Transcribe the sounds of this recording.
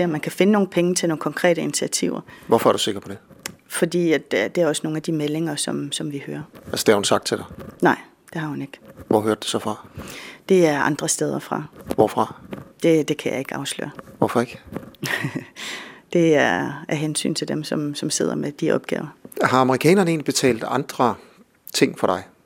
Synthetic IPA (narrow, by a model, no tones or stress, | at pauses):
seɒmːænkʰæfe̝nəno̝ːn̩pʰeŋət͡sʰe̝lno̝ːŋ̩kʰɒ̽ŋkʰʁɛ̰ːɾəinit͡sʰiæt͡sʰiʊ̰ɐʋɒfɒ̽æɐd̥use̝ɡ̥ɐpʰɒ̽d̥e | fɒ̽d̥ḭːæ̥d̥e̝æɐɒ̽səno̝ːn̩æd̥imele̝ŋɐsɒ̽msɒ̽mʋihøːɐælsəd̥eæɐhunsɑ̈ɡ̥̚t͡sʰe̝ld̥ɑnɑ̈ɪ̰ | d̥e̝hɑ̈hune̝ɡ̥ʋɒ̰ɦøɐd̥u̥sɒ̽fʁɑ̈d̥e̝æɐʔɑ̈nd̥ʁɐsd̥eð̞ˠɐfʁɑ̰̈ʋɒfʁɑ̈d̥e̝d̥e̝kʰæjɑ̈e̝ɡ̥əɑ̈ʊslø̰ːɐʋɒfɒ̽e̝ɡ̥ | d̥e̝æɐæɐɦensy̰ːnt͡sʰe̝d̥emsɒ̽msɒ̽mse̝ð̞̰ˠɐ̰med̥iʔɒ̽b̥̚ɡ̥ɛ̰ːʊɐɦɑ̈ɑ̈məʁikʰɛ̰ːnɐnəe̝ːnlib̥e̝t͡sʰɛ̰ːld̥ɑ̈nd̥ʁɐ | t͡sʰe̝ŋ̰fɒɾ̥ɑ̈ɪ